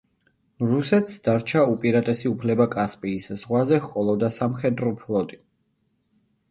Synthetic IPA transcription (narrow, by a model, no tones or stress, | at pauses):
ɾusɛt̪ʰsd̪aɾt͡ʃʰaupʼiɾat̪ʼɛsiupʰlɛbakʼaspʼiːsz̥ʁwazɛhkʼɔlˠɔd̪asamχɛd̪ɾɔpʰlˠɔt̪ʼi̥